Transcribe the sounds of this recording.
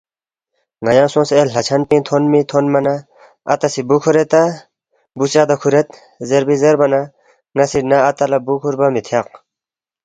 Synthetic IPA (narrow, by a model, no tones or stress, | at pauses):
ŋɐjãːsõːsellɐt͡ɕʰɐnpĩːt̪ʰonmit̪ʰonmɐna | ɐ̰t̪ɐsibukʰuɾet̪ɐ | busaːd̪ɐkʰuɾet̪̚ | zeɾbizeɾbɐnɐ | ŋɐsiʈnaɐt̪ɐlɐbukʰuɾbɐmit̪ʰjaq